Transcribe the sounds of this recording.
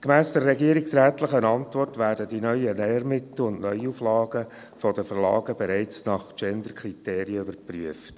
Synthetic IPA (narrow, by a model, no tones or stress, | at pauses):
kmæːsd̥əɾːɛɡiəɾiksɾæːtləχənɑntʋɔrtʋæːɾdədinœʏənɛəɾmɪt̪l̩ʊnʔnœʏuflɑːɡə | fɔdəfərlɑ̰ːɡəbɛɾæɪt͡snɑχt͡ʃɛnd̪əɾkʰɾiteːɾiəybəɾpryəft